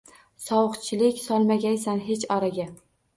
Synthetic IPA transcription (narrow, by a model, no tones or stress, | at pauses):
sɒwɨqt͡ʃʰɪlɪkʲsɒlˠmaɡʲajsanɦet͡ʃɒɾaɡʲa